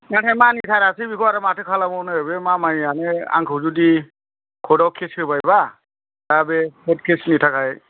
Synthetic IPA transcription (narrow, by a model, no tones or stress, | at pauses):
matʰamanitʰaɾasibikʰɔaɾamatʰekʰalamɔnɯebemamajanea̰ŋkʰɔzudi | kʰɔdɔwkʰesebajba | dabekʰɔt̚kʰesnitʰakʰaj